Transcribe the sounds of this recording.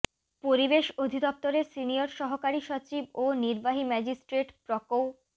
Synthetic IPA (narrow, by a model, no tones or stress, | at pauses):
poɾibeʃod̪ʱid̪ɔp̚t̪oɾesinioɾʃɔɦokaɾiʃot͡ɕiboniɾbaɦimɛd͡ʑisʈɾeʈpɾɔkow